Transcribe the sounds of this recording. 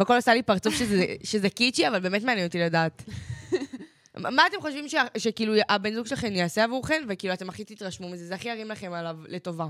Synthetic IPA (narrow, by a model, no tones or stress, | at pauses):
veakolasalipaʁt͡sufʃezeʃezekit͡ʃiavalbeːme̞tmeanjɛnotiladaːt | maːte̞mχo̞ʃvimʃeaʃekiːlujʔabe̞nzuɡʃelaχemjeaseavuʁχenvekiːluate̞maχit̪it̪ʁaʃmumizezeaχiaʁimlaχe̞malavle̞to̞va